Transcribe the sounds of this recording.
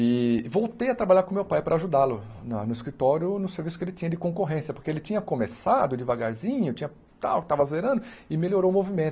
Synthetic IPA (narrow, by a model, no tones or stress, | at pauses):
ɪvowt̪ejɐt̪ɾabaʎaɾkõmewpajpɾɐaʒud̪alʊnɐnʊɪskɾit̪ɔɾjʊnʊseɾvisʊ̥kɪelɪt͡ʃĩɲɐd̪ɪkõkoɦẽsjɐpoɾkeelɪt͡ʃĩɲɐkomesad̪ʊd͡ʒɪvaɡaɾzĩɲʊt͡ʃĩɲɐ | t̪a̰wkɪ̥t̪avɐzleɾɐ̃nd̪ʊɪmeloɾoʊmovimẽnt̪ʊ